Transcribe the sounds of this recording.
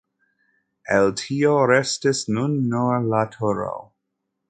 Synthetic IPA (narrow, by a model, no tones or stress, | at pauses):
eltʰioɾestisnunːolatʰoɾa̰w